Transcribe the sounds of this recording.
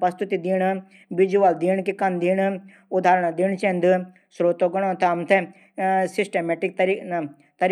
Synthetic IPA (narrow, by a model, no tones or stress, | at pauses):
pɐst̪ut̪id̪iːɳ̃ | ʋid͡ʒuaːld̪iːɳ̃kikɐnd̪iːɽ | ʊd̪ʱaːɾəɽ̃ad̪iɳ̃t͡ʃẽnd̪ɨ | sɾoːt̪oɡɐɽ̃õt̪ʰɐmt̪ʰe | sɪsʈemeːʈɪk̚t̪ɐɾi | t̪ɐɾ